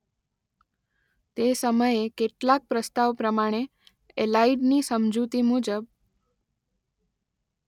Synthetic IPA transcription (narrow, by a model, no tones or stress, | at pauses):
t̪esəməjekeʈlak̚pɾəst̪aʋpɾəmaɽ̃e | elaiɖnisəmd͡ʒut̪imud͡ʒəb̚